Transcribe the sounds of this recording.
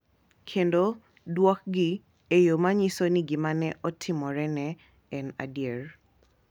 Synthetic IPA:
kʰendɔ | dwɔk̚ɡi | ejomaɲisɔniɡimanɛʔɔtʰːimɔɹɛnɛ | ɛna̰diɛɹ

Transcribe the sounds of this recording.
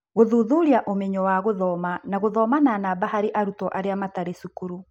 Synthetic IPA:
ɣoðuðuɾiaʔomɛɲɔwaɣoðɔːmanaɣoðɔːmananabaɦaɾeʔaɾutɔʔaɾeamataɾesukuɾu

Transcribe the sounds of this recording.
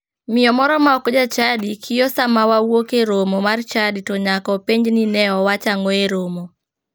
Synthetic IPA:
mɪjɔmɔɾɔmaɔkd͡ʒat͡ʃadikʰɪjɔsamawawokeɾomomart͡ʃaditɔɲakɔpeɲd͡ʒninɛɔwat͡ʃaŋɔeɾomo

